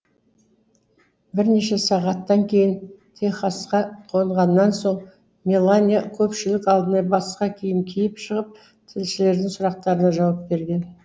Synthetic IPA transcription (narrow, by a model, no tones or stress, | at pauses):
bɪɾne̞ʃe̞sɑʁɑt̪ːɑŋkʲʰe̞jɪnt̪ʰe̞χɑsqɑqʰo̞ɴʁɑnːɑnso̞ɴ | mʲelˠanʲijakʲʰɵpʃɪlɪkɑlˠd̪ənɑbɑsqɑkʲʰejɪmkʲʰejɪpʃəʁəp̚ | t̪ʰɪlʃɪle̞ɾd̪ɪŋsʊɾɑq̚t̪ɑɾənɑʒɑwɑp̚be̞ɾɡʲe̞n